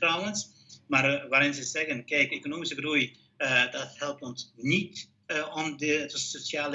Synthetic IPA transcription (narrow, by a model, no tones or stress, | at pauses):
rawəns | marʋaːɾɪnzəzɛɣənkɛjkekonoːmisəɡruj | ədɔthɛlˠp̚tɔnsnit | ɔmdətɔsosjaːl